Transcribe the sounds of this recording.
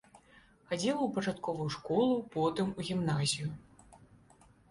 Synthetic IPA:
xad͡zʲiwˠwpɐt͡ʂat̪kɔvujuʂkɔlˠupɔt̪ɨmuɣʲimnazʲiju

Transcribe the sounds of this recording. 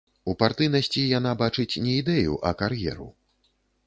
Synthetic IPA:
upart̪ɨjnɐsʲt͡sʲijan̪abat͡ʂɨt͡sʲnʲɛid̪ɛjṵʔɐkarjɛ̰ɾṵ

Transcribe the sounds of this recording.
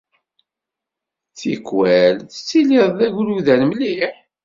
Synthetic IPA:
θḭkwælθə̥t͡sːiliðˤðæʝuluðænmliħ

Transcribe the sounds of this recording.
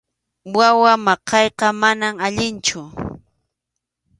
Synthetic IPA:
wawamɑqʰɑjqɑmanamaʎɪnt͡ʃʊ

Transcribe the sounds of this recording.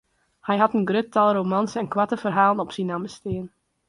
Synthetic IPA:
hɛjɦɑtənɡrøtɑlˠromɑnsəɛnkwatəfərɦaːlˠənɔpsinaməstɪːən

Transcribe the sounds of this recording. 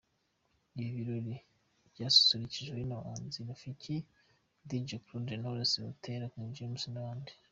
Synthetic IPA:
iβiɾoɾi | bɟaːsu̥suɾiciʒɡeinaaːnzinaficʰi | d̪id͡ʒoklunenaβuɾasiutʰeɾakiɲd͡ʒiumusinaβaːndi̥

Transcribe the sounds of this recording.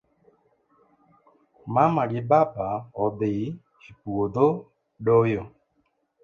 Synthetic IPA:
mamaɡɪbabaɔbɪ | ipuwod̪o | ɖojo

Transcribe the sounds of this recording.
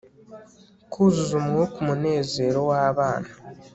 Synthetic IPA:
kʰuzuzumwokumune̞ːze̞ːɾo̞waːβaːna

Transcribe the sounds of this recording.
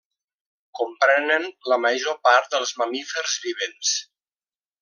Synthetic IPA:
kumpɾɛnənləməʒopaɾt̪̚d̪əlˠzməmifəɾzβiβ̞ens

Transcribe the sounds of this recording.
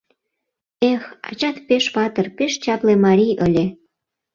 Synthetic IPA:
exɑ̰t͡ɕɑt̪peʃβɑt̪ərpeʃt͡ɕɑplemɑɾʲiʔəlʲe

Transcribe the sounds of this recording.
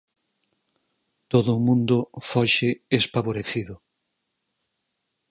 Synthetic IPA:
t̪oðʊmũnd̪ʊfɔʃɪespaβoɾeθiðʊ

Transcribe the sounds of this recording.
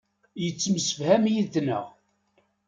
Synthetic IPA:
jət͡sːmsə̥fhæmjiðnə̰ʁ

